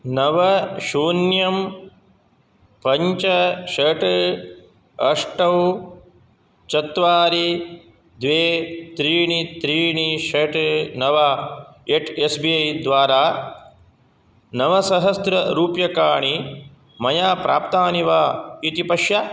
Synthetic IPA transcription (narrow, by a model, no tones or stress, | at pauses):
nɐʋɐʃuːnjɐm | pɐɲt͡ʃɐʃɐʈ | ɐʂʈɐw | t͡ʃɐt̪ʋaːɾi | d̪ʋeːt̪ɾiːɳit̪ɾiːɳiʃɐʈnɐʋaeʈʰesbiːɐjd̪ʋaːɾaː | nɐʋɐsɐɦɐst̪ɾɐɾuːpjɐkaːɳi | mɐjaːpɾʔa̰ːpt̪aːniʋaːit̪ipɐʃja